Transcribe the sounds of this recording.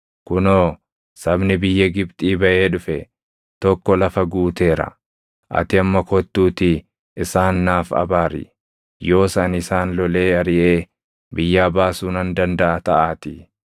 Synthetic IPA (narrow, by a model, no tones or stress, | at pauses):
kʊnoː | sɐbnɪbɪjːɐɡɪbt̪ʼiːbɐʔe̞ːᶑʊfɛ | t̪ɔkːɔlɐfɐɡuːt̪e̞ːɾɐ̰ | ʔɐ̰t̪ɪɐmːɐkɔt̪ːuːt̪ɪ | ɪsaːnːaːfɐ̰baːɾɪ̰ | jo̞ːsanɪsaːnlɔle̞ːɐɾɪʔe̞ː | bɪjːaːbaːsuːnɐnd̪ɐnd̪ɐʔɐt̪ɐʔaːt̪ɪ